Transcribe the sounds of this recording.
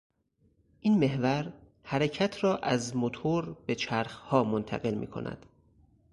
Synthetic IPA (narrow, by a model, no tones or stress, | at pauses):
ʔiːnme̞ɦvæɾ | hæɾecʰæt̪ʰɾɒːʔæzmot̪ʰoɾb̥e̞t͡ʃʰæɾxhɒːmont̪ʰæ̰ɣe̞lmḭːkʰo̞̰nʔæ̰d̪̥